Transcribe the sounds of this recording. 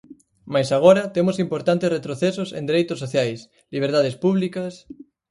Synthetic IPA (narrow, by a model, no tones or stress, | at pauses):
majsaɣ̞oɾat̪emosimpoɾt̪ant̪esret̪ɾoθesosḛ̃nd̪eɾejt̪osːoθjajs | liβ̞eɾt̪að̞espuβlikas